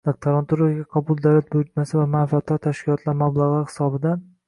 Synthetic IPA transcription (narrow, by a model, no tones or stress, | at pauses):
d̪̥ak̚t̪ʰaɾant̪ʰʊɾaɡʲaqʰɒbʊlˠd̪awlat̪̚boɾɪt͡ʃ̪masɪvamanfat̪ʰːɒɾt̪ʰaʃkʲɪlˠɒt̪ʰlaɾmablˠaʁɨhɪ̥sɒbɪd̪an